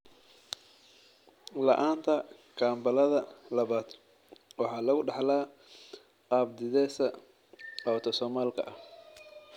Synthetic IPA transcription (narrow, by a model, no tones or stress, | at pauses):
lɐ̰ʔaːnt̪ʰɐ | kʰaːmbɐlɐðɐlɐβaːd̪ | wɑħɑːlɐɣʊɖɑħlaː | ab̚d̪ɪðɛːsɐ | ɔːt̪ʰɔsɔːmaːlkʰɐ̰ʔɐh